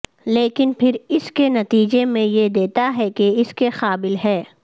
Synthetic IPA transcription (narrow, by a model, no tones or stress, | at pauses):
leːkɪnpʰɪɾɪskenɐt̪iːd͡ʒemẽjed̪eːt̪aɦɛkeɪskexaːbɪlɦɛː